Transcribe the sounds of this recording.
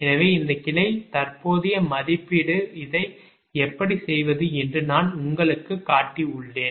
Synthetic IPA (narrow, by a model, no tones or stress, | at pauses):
ɛnɐʋeːɪnd̪ɐkɪlɐɪt̪ɐrpoːðɪjɐmɐðɪpːɪɽɯɪðɐɪ | ɛpːɐɽisɛjʋɐðɯɛndrɯnaːnʊŋɡɐɭɯkːɯkːaːʈːiʊɭːeːn